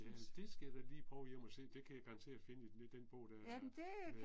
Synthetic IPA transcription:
d̥e̝sɡ̥ejɐd̥ɑliːpʰʁɒʊjem̰ɒse̝̰ːd̥e̝kʰæjæɡ̥ɑʁɑ̈nt͡sʰe̝ːæ̥fe̝nəied̥enb̥ɔ̽ʊd̥æɐ̰d̥e

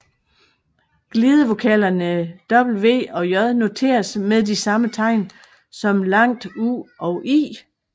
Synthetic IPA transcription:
ɡ̥liːð̞ˠəʋo̝kʰɛlɐnəd̥ɒ̽b̥l̩ʋe̝̰ːɒ̽jɒ̽ðˠno̝t͡sʰe̝̰ːɐsmeðˠd̥isɑ̈mət͡sʰɑ̈ɪ̰n | sɒ̽mlɑ̈ŋ̰d̥uɒ̽ʊʔḭː

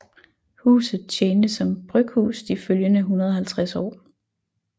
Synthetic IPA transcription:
hṵːsð̩ˠt͡ɕʰeːnd̥əsɒ̽mb̥ʁœɡ̥hṵːsd̥iføljənəɦunɐð̞ˠhælt͡sʰʁasɒ̰ː

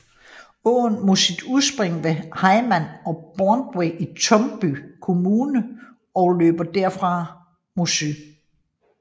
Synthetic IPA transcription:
ɔ̰ːn̩mo̝sid̥uðˠsb̥ʁeŋʋehɑ̈ɪmænɒ̽b̥ɒːnd̥weɪʔit͡sʰɒ̽mb̥ykʰo̝muːnə | ɒ̽ʊlø̰ːb̥ɐd̥æɐ̰fʁɑ̈ | mosy

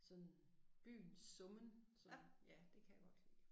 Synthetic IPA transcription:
sɒ̽n | b̥y̰ːnsɔ̽mənsɒ̽njæd̥e̝kʰæjaɡ̥ɒ̽d̥sḭː

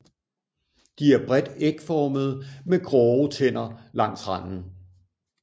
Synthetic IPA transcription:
d̥iæɐb̥ʁɛd̥eɡ̥fɒːməð̞̩ˠmeɡ̥ʁɒʊt͡sʰen̰ɐlɑ̈ŋ̰sʁɑn̰n̩

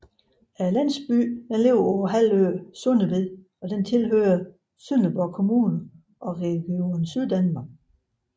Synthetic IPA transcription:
ælæn̰sb̥y̰ːd̥enle̝ʊɐɒʊɐɦæl̰øsɔnəʋe̝ðˠ | ɒ̽d̥ent͡sʰe̝lɦøːɐ | synəb̥ɒkʰo̝muːnɐ | ʔɒ̽ʁɛɡ̥io̝nsyð̞ˠd̥ænmɑ̈ːɡ̥

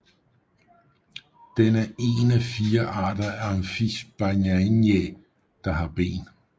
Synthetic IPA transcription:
d̥enæʔe̝ːnæfiːɐʔɑ̰̈ːd̥ɐæɐenfisb̥anænje | d̥ɑ̈ɦɑ̈b̥e̝̰ːn

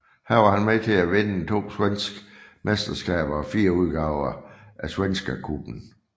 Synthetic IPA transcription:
hæɐɑ̈hænmet͡sʰe̝æʋe̝nət͡sʰo̝̰ːswen̰sɡ̥mesd̥ɐsɡ̥ɛ̰ːb̥ɐɒfiːɐuð̞ˠɡ̥ɑ̈ʊɐʔæsʋensɡ̥ɐkʰub̥n̩

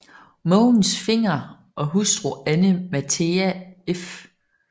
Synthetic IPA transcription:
mɔːn̩sfe̝ŋ̰ɐ | ʔɒ̽ɦusd̥ʁoænəmæt͡sʰeæef

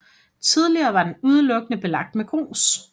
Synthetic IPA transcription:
t͡sʰið̞ˠliɐːʋɑ̈d̥enuð̞ˠəlɔ̽ɡ̥ənəb̥e̝lɑ̈ɡ̥̚d̥meɡ̥ʁo̰ːs

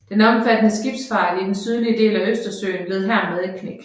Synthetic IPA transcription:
d̥enæɒ̽mfæd̥ənəsɡ̥ib̥sfɑ̈ɪlid̥ensyð̞ˠliəde̝̰ːlæøsd̥ɐsø̰ːnble̝ð̞̩ˠɦæɐmeð̞ˠikʰneɡ̥

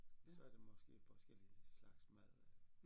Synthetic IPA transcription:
sɒ̽æɐd̥e̝mɒ̽sɡ̥e̝̰ːfɒ̽sɡ̥el̰islɑ̈ɡ̥smæð̰ˠ

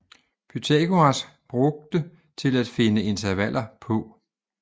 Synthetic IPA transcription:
b̥yt͡sʰekʰoɑs | b̥ʁɔ̽ɡ̥̚d̥ə | t͡sʰe̝læd̥fe̝nəe̝nt͡sʰæʋæl̰ʔɐpʰɔ̽

